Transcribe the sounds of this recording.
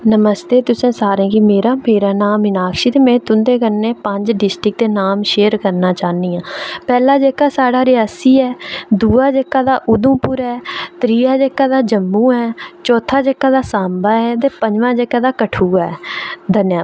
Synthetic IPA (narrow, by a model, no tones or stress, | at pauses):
nəməst̪eːt̪ʊsẽːsaːɾẽːkɪmeːɾaːmeːɾaːnaːmɪnaːkʃiːt̪eːmɛ̃ːt̪ʊnd̪eːkəɾnẽːpəɲd͡ʒɖɪsʈɾɪk̚d̪eːnaːmʃeːəɾkəɾnaːt͡ʃaːniːãːpɛːlaːd͡ʒeːkːaːsaːɽaːɾɪjaːsiːɛːd̪uːaːd͡ʒeːkːaːd̪aːʔʊd̪ũːpʊɾɛːt̪ɾiːaːd͡ʒeːkːaːd̪aːd͡ʒəmũːɛːt͡ʃɔːt̪ʰːaːd͡ʒeːkːaːd̪aːsaːmbaːɛːt̪eːpəd͡ʒʋãːd͡ʒeːkaːd̪aːkəʈʰuːɛ̰ːd̪ənjaː